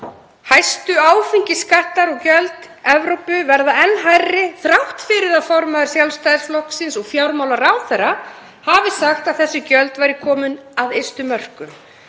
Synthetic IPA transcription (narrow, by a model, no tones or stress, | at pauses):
hajst̪ʏaːwfiɲcɪskaht̪laɾɔɣcœlt̪ | ɛvɾowpʏvɛɾðaɛnːɦajrːɪθɾawht̪fɪɾɪðaðfɔɾmaðʏ̥sjawlst̪ajðɪɾsflɔhksɪnsɔɣfjawɾmawlaɾawθɛra | havɪsaxt̪aðθɛsːʏcœlt̪vajɾɪkʰɔːmʏnaðejst̪ʏmœr̥kʏm